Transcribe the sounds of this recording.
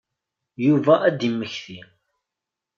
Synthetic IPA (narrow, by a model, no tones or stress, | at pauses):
juvæʔæd̪imːəçθi